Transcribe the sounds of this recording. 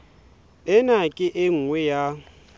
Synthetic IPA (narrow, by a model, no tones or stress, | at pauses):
ɪnakʼɪʔeŋ̩ŋwɛja